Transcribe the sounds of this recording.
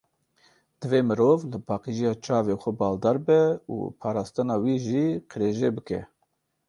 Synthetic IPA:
d̪̥ɨveːmɨɾoːvləbʰɑːqiʒijɑːt͡ʃɑːvexʷɛbɑːld̪ɑːɾbɛṵpʰɑːɾɑːst̪ɨnɑːwiːʒiːqʰəɾeːʒeːbɨkɛ̰

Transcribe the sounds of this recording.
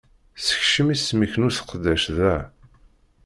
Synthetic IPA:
sə̥çʃəmisməçnuθə̥qd̪æʃðæ

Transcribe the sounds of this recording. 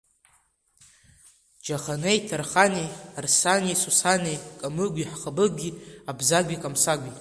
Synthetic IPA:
d͡ʒaχanejtʰarχanejarsanejsusanekʼamɨɡʷʲiħχabɨɡʲiabzaɡʷʲikʼamsaɡʷi

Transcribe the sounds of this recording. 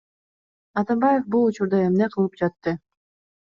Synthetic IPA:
ɑt̪ɑmbɑjefbulˠut͡ʃuɾd̪ɑemneqʰɯlˠɯp̚d͡ʒɑt̪ːɯ

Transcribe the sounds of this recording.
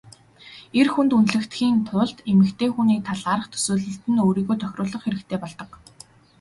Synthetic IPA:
erxunt̪unt̪ɮɘ̆kt̪xiːnt̪ʰʊːɮt̪emɘ̆kt̪ʰeːxuniːt̪ʰaɮaːɾə̆χt̪ʰɵ̥sɵːɮɘ̆ɬt̪ɘ̆noːɾiːɣoːjt̪ʰœxʲrʊːɮə̆χxeɾɘ̆kt̪ʰeːpɔɮt̪ɞ̆q

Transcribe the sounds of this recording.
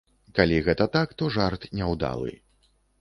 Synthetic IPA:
kalʲiɣɛt̪ɐt̪akt̪ɔʐart̪nʲɛwd̪a̰lˠɨ̰

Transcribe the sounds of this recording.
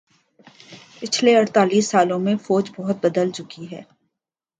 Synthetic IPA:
pɪt͡ʃʰleɐɽt̪aːliːsːaːlõmẽfɔːd͡ʒbɔɦʊt̪̚bɐd̪əlt͡ʃʊkiɦɛ̰ː

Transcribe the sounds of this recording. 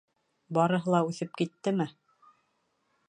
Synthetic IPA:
bɑɾɤ̆ɦɤ̆lˠɑʉθɘp̚kit̪ːɘmɘ

